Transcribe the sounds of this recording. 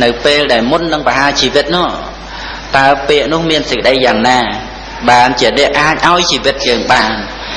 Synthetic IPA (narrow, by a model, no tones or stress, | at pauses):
nɨwpeːlɗaɛlmunːɨŋpəɦaːt͡ɕiːʋɨt̪̚nʊ̆əʔ | t̪aəpeːəʔnʊ̆əhmiənsəc̚kə̆ɗəjːaːŋnaː | ɓaːnt͡ɕiənɛ̆əʔaːc̚ʔaɔjt͡ɕiːʋɨt̪̚jəːŋɓaːn